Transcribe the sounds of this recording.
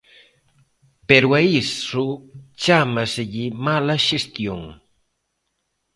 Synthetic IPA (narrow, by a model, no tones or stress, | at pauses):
peɾwaisʊt͡ʃamasɪʎɪmalaʃest̪jʊŋ